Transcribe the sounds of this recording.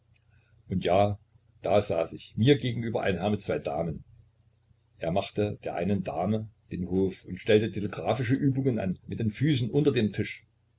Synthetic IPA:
ʔʊntjaː | d̥aːza̰ːsɪçmiːɐɡeːɡŋ̩ʔyːbɐ̰ʔa̰ɪnɦɛɐmɪt̚t͡sv̥aɪda̰ːmən | ʔeːɐmaχtəd̥eːɐʔa̰ɪnəndaːməd̥eːnhoːfʊntʃtɛltətʰeleɡʁaːfɪʃəʔyːbʊŋənʔa̰nmɪt̚d̥eːnfyːsn̩ʔʊntɐdeːmtʰɪʃ

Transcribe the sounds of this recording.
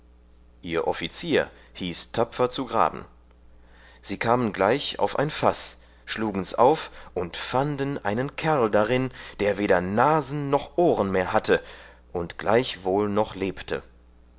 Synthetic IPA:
ʔiːɐʔɔfit͡siːɐ | hiːstʰapp͡fɐt͡suɡʁa̰ːbm̩ | z̥iːkʰaːmənɡlaɪça̰ʊfʔa̰ɪnfas | ʃluːɡŋ̩ɛsʔa̰ʊfʔʊntfandnʔa̰ɪnənkʰɛɐldaʁɪnd̥eːɐveːɾɐnaːzn̩ːɔχʔoːʁənmeːɐɦatʰə | ʔʊntɡ̥la̰ɪçv̥oːlnɔχleːptʰə̰

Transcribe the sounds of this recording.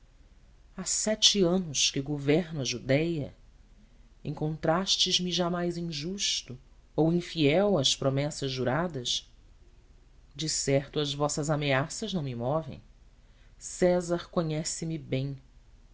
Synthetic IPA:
asɛt͡ʃɪɐ̃nʊʃkɪɡovɛɾnɐʒud̪ɛjɐ̰ | ẽŋkõnt̪ɾaʃt͡ʃɪzmɪʒamajzĩʒuʃt̪ʊ | owĩfiɛwɐspɾomɛsɐzːuɾad̪ɐs | d͡ʒɪsɛχt̪ʊɐzvɔsɐzameasɐʒnɐ̃w̃mɪmɔvḛ̃j̃ | sɛzɐɾkõɲɛsɪmɪbẽj̃

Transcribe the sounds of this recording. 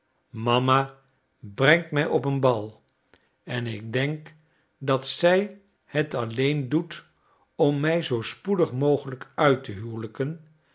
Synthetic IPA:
mɑma | brɛŋtmɛjɔpənbɑlˠ | ɛnɪɡ̚dɛŋk | dɑtsɛj | hətɑlejndut | ɔmːɛjzowspudəχmowχələkœɥtəɦywləkən

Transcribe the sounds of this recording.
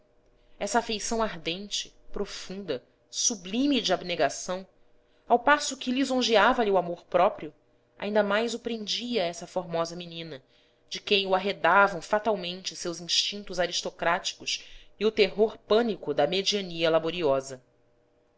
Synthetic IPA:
ɛsɐaːfejsɐ̃w̃aɦd̪ẽnt͡ʃɪ̥ | pɾofũnd̪ɐ | sublĩmid͡ʒɪabneɡasɐ̃w̃ | awpasʊkʲɪlizõʒiavɐlɪuwamoɾpɾɔpɾiʊ | a̰ĩnd̪ɐmajzʊpɾẽnd͡ʒiɐɛsɐfoɾmɔzɐminĩnɐ | d͡ʒɪkẽj̃ʊaɦed̪avɐ̃w̃fat̪awmẽnt͡ʃɪsewzĩʃt͡ʃĩnt̪ʊzaɾiʃt̪okɾat͡ʃi̥kʊsiʊt̪eɦoɾpɐ̃nikʊd̪ɐmed͡ʒiɐniɐlaboɾiɔzɐ

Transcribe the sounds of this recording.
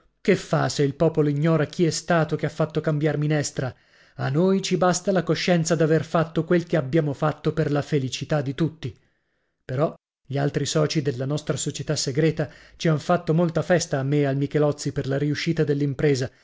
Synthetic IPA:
kefːa̰seilpɔːpoloiɲːɔːɾak̟ʰiɛst̪aːt̪okeafːat̪ːokambjarminɛst̪ɾa | anːojt͡ʃibast̪alakoʃːɛnt̪sad̪averfat̪ːokwelkeabːjaːmofat̪ːoperlafelit͡ʃit̪ad̪ːit̪ut̪ːi | peɾɔ | ʎialt̪ɾisɔːt͡ʃid̪elːanɔst̪ɾasot͡ʃet̪asːeɡɾɛːt̪at͡ʃiaɱfat̪ːomolt̪afɛst̪aːmːealmikɛlɔt̪sːiperlaɾiuʃːiːt̪ad̪elːimpɾɛːza

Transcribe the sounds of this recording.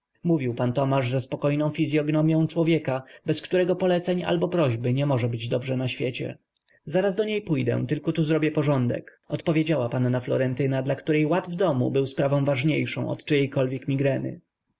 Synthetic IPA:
muvʲiwpant̪ɔmaʐzaspɔkɔjnɔ̃w̃fʲizʲjɔɡnɔmʲjɔ̃w̃t͡ʂwɔvʲjɛkabɛskt̪uɾɛɡɔpɔlɛt̪sɛɲa̰lbɔpɾɔʑbɘɲɛmɔʐɛbɘd͡ʑd̪ɔbʐɛnaɕfʲjet͡ɕɛ̰ | zaɾazd̪ɔɲejpujd̪ɛ̰̃t̪ɘlkɔt̪uzɾɔbʲjɛpɔʐɔnd̪ɛ̰k | ɔt̪pɔvʲjed͡ʑawapanːaflɔ̰ɾɛnt̪ɘnad̪lakt̪uɾɛjwad̪vd̪ɔmṵbɘwspɾavɔ̃w̃vaʐɲejʂɔ̰̃w̃ʔɔ̰t̪t͡ʂɘjɛjkɔlvʲjɛkmʲiɡɾɛnɘ̰

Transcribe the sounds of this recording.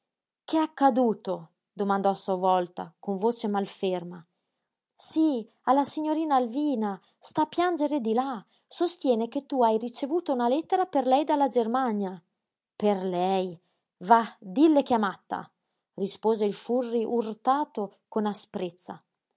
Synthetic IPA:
keakːad̪uːt̪o | d̪omand̪ɔasuavɔlt̪a̰koɱvoːt͡ʃemalferma | si | alːasiɲːoɾiːnaːlviːna | st̪apːjand͡ʒeɾed̪ila | sost̪jɛːnek̟et̪ːuajrit͡ʃevuːt̪ounalɛt̪ːeɾaperlɛjd̪alːad͡ʒermaɲja | perlɛj | vad̪ilːek̟amat̪ːa̰ | rispoːzeilfurːiʔurt̪aːt̪okonaspɾet̪sːa̰

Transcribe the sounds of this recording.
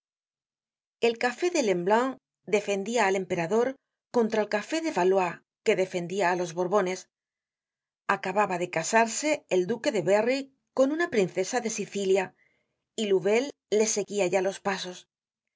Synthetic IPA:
e̞lkafe̞ðe̞le̞mblaŋ | d̪e̞fe̞nd̪iaːle̞mpe̞ɾaðo̞ɾ | ko̞nt̪ɾaelkafe̞ðe̞βalwa | ke̞ðe̞fe̞nd̪iaːlo̞zβo̞ɾβo̞ne̞s | akaβaβaðe̞kasaɾse̞ːld̪uke̞ðe̞βe̞ri | ko̞nunapɾinθe̞saðe̞siθilja | iluβe̞lː | e̞se̞ɣiaʝalo̞spaso̞s

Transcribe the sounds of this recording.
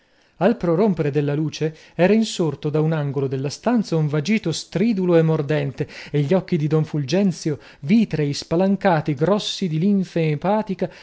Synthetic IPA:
alpɾoɾompeɾed̪elːaluːt͡ʃe | ɛːɾainsort̪od̪aunaŋɡolod̪elːast̪ant̪sauɱvad͡ʒiːt̪ost̪ɾiːd̪uloemːord̪ɛnt̪eeʎːiɔkːid̪id̪ɔɱfuld͡ʒɛnt̪sjo | viːt̪ɾejspalaŋkaːt̪iɡɾɔsːid̪iliɱfempaːt̪ika

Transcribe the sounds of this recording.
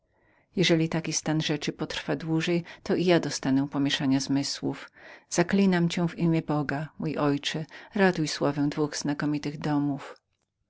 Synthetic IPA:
jɛʐɛlʲit̪akʲist̪anʐɛt͡ʂɘpɔt̪ɾ̥fad̪wuʐɛjt̪ɔʔijad̪ɔst̪anɛpɔmʲɛʂaɲazmɘswufz̥aklʲinamt͡ɕɛ̃w̃vimʲjɛbɔɡamujʔɔjt͡ʂɛɾat̪ujswavɛ̃w̃d̪vuɣz̥nakɔmʲit̪ɘɣd̪ɔmuf

